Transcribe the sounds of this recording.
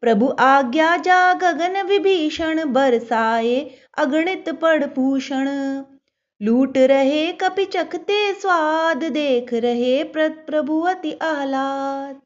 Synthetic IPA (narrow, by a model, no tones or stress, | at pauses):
pɾɐbʱuʔaːɡjaːd͡ʒaːɡɐɡɐnɐʋibʱiːʃɐɳbɐɾsaːe | ɐɡɳɪt̪pɐɽpuːʃɐɳ̃ | luːʈɾɐɦeːkɐpit͡ʃɐkʰt̪eːsʋaːd̪ʱd̪eːkʰɾɐɦeːppɾɐbʱuʋɐt̪iʔɐɦlaːt̪